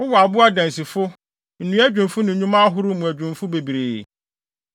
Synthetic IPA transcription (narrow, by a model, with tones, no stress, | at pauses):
ʊ˦wɔ˨a˨bʊ˦a˦dæ̃˨n˨si˨fʊ˦ | n̩˨nũ˦æ˦d͡ʑᶣʊ̃˨mfʊ˦nʊ̃˨ɲũ˦mã˦ɦʊ˦ɾʊ˦mũ˨æ˨d͡ʑᶣʊ̃˨mfʊ˦be˨bi˨ɾeː˨